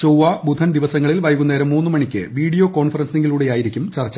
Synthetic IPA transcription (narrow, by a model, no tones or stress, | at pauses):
t͡ɕowʋaːbʱud̪ʱɐnd̪iʋɐsɐŋːɐɭilʋɐjɣunːɐɐɾɐmːuːnːɨmɐɳikʲːɨ̰ʋiːɽijo̞ːko̞ːɳfɐrɐnsɨneŋɡiluːɽe̞jaːjiɾikʲːumt͡ɕɐrɐt͡ɕː